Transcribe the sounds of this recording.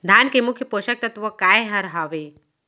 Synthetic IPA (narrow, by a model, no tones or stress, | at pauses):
d̪ʱaːnkemʊkʰjəpoːʃək̚t̪ɐt̪ʋɔkaːeɦɐɾɦaːʋe